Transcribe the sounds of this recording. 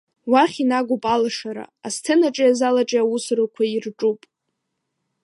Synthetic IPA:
waχʲinaɡʷupʼalaʂaɾa̰a̰stʰenaʈ͡ʂʼajazalaʈ͡ʂʼaawusrɨkʷʰairʈ͡ʂʼupʼ

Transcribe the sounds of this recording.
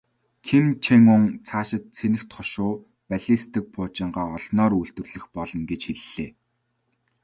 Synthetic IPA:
kʰimt͡ɕʰeŋʊŋt͡sʰaːʃɪ̆t̪̚t͡sʰenɘ̆xt̪χɔʃʊː | pæɮist̪ʰɘ̆k̚pʰʊːt͡ɕɪ̆ɴɢaːɔɮnɔːɾuɬt̪ɘ̆rɮɘ̆xpɔɮɞ̆nɡet͡ɕxeɮːeː

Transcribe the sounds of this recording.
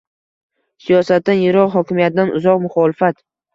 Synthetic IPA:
sijɒsat̪̚ːanjeɾɒqɦɒkʲɪmijat̪̚d̪anʊ̰zɒqmʊχɒːlɪfat̪

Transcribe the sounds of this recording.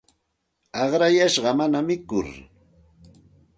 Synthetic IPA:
ɑχɾajaʃɢɑmanamɪkʊ̰ɾ

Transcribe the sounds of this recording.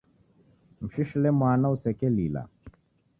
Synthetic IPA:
m̩ʃiʃlemaːnɐwsekeliːla̰

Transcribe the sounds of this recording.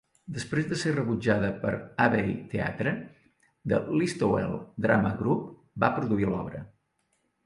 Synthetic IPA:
d̪əspɾezðəserəβud͡ʒaðəpəɾaβejt̪ea̰t̪ɾə | d̪ə̰list̪owɛ̰lˠd̪ɾaməɣɾup | bapɾuðuilɔ̰βɾə̰

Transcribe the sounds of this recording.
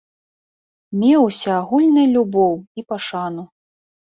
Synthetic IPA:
mʲewsʲɐaɣulʲnɨjlʲubɔwipaʂanu

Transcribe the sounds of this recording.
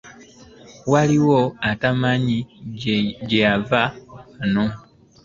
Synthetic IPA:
waliwoatamaɲi | ɟeavakano

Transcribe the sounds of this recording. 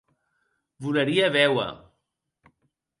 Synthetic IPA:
βuləɾiəβɛwə̰

